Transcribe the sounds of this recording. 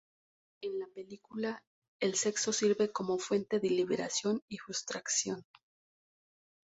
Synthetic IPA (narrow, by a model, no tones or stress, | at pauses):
enlape̞likula | e̞lse̞kso̞siɾβe̞ko̞mo̞fwe̞nt̪e̞ðeliβeɾasjo̞nixust̪ɾaksjo̞n